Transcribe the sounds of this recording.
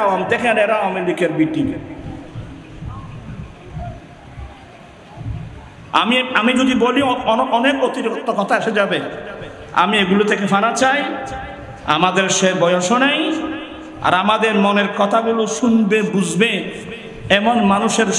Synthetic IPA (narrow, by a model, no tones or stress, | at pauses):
aoamid̪ɛkʰeneɾaɔmeɾikeɾbiʈi | a̰miamid͡ʑod̪iboliɔnekot̪iɾokot̪ːokɔt̪ʰaeʃed͡ʑabe | a̰mieɡulot̪ʰek̬efanat͡ɕaj | a̰mad̪eɾʃebɔjoʃonaj | a̰ɾamad̪eɾmoneɾkɔt̪ʰaboloʃunbebud͡ʑbe | ɛmonmanuʃeɾ